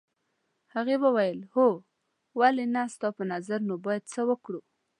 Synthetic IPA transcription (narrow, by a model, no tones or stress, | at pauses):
haɣebawajəlho | walenast̪ɑpənazaɾnobɑjad̪̚t͡səwəkɽu